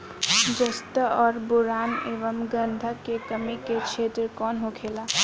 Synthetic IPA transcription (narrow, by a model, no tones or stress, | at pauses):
d͡ʒəst̪əɔːɾbʊɾaːneːʋəmɡə̃nd̪ʱakekɐmiket͡ʃʰeːt̪ɾəkɔːnɦokʰeːlaː